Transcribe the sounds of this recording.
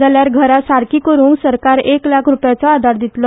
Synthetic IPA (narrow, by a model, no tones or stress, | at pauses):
aljaɾɡʱəɾasaɾkikəɾuːŋɡsəɾkaɾeklakʰɾupjat͡sɔad̪ʱaɾd̪it̪lɔ